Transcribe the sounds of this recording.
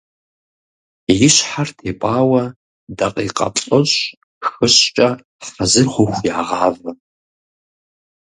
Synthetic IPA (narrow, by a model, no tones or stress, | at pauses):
jɪɕħartʰeːpʼaːwɐ | dɐqʼiːqʼɐ̰pʼɐɕ | xɨɕt͡ʃʼɐ | ħɐzɨrχʷʊxʷjaːʁɑːvɐ